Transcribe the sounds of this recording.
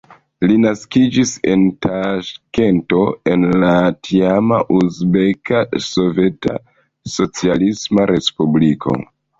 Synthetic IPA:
linaskid͡ʒise̞̰ntʰaʃke̞nto̞e̞nlatʰiamaʔuzbe̞kaso̞ve̞ta̰ | so̞t͡sialismaɾe̞spublikʰo̞̰

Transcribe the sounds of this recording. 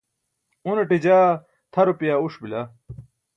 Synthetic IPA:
uneʈid͡ʑaː | t̪ʰɐɾopjaːuʂbila

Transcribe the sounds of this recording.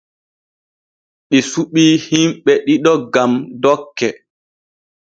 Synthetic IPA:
ɗisuɓiːhimɓɛɗiɗɔɡamdɔkːɛ

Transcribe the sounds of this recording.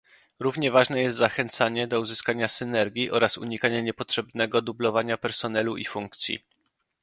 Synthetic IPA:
ɾuvɲɛvaʐnɛjɛst̪zaxɛnt̪saɲɛd̪ɔuzɘskaɲasɘnɛɾɡʲjiʔɔɾasṵɲikaɲaɲɛpɔtʂɛbnɛɡɔd̪ublɔvaɲapɛɾsɔnɛluʔifuŋkt̪sʲjḭ

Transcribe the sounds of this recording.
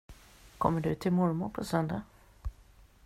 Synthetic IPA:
kʰɔ̰mːəɖɵt̪ʰɪlmɔɾmʊɾpʰɔsœnd̪a

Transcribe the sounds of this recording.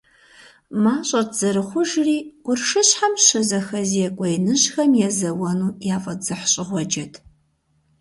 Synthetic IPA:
maːɕʼɐt̚ʰz̥ɐɾɨχʷʊʒriːʊrʂɨɕħamɕɨzɐxɐzjɛkʷʼɔjnɨɕxɐmjɛzɐwɐnuːjaːfʼɐz̥ɨħɕʼɪʁʷɔd͡ʒɐtʰ

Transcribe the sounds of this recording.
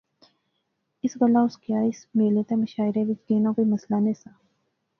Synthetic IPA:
ɪsɣɐlaʊskjaːɪsmeːlet̪amɐʃaːɪɾẽʋɪt͡ʃɡeːnãkoimɐslanesa

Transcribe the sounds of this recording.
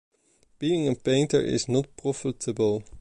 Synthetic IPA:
b̥iɪ̃ŋə̃npẽɪ̃ntə̰˞ʔɪ̰znɔt̚pɹɔfɪtʰəbəlˠ

